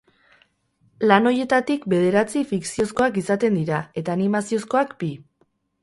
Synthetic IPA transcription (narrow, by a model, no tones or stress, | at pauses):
lano̞je̞t̪at̪ikbe̞ð̞e̞ɾat͡sifiksio̞sko̞akisat̪e̞nd̪iɾae̞t̪aːnimasio̞sko̞akbi